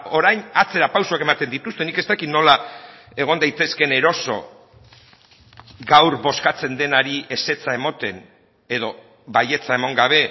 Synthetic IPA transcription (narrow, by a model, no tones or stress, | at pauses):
o̞ɾajnat͡se̞ɾapawsoake̞mat̪e̞nd̪it̪ust̪e̞nike̞st̪akit̪no̞la | e̞ɣ̞o̞nd̪ajt̪e̞ske̞ne̞ɾo̞so̞̰ | ɡawɾbo̞skat͡se̞nd̪e̞naɾie̞se̞t͡sae̞mot̪e̞n | e̞ðo̞ | βaje̞t͡sae̞moŋɡaβ̞e̞